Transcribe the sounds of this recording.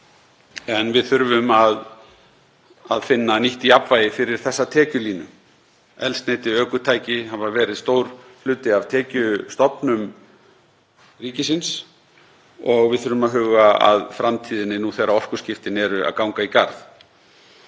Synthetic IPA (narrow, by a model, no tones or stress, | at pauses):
ɛnvɪðθʏɾvʏmað | aðfɪnːaniht̪iapvaːjɪfɪɾɪɾ̥θɛsːat̪ʰɛːcʏliːnʏ | ɛlst̪neːjt̪ɪœːkʏt̪ʰaːjcɪhavaɾvɛːɾɪðst̪oːwɾ̥flʏːt̪ɪavt̪ʰɛːcʏst̪ɔpnʏm | riːcɪsɪns | ɔɣvɪðθʏɾvʏmaðɦʏːɣaa̰ðfɾamt̪ʰiːðɪnːɪnuθejraɔr̥kʏ̥scɪft̪ɪnɛɾʏa̰ðkawŋkaikaɾð